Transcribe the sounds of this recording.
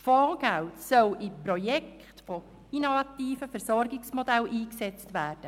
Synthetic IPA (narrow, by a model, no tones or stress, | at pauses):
fɔːɡ̥æwtsœlɪpɾojɛkχtfɔ | inovɑtiːfəfəɾsɔɾɡɪksmodælʔiːksɛt͡stʋæːrd̥ə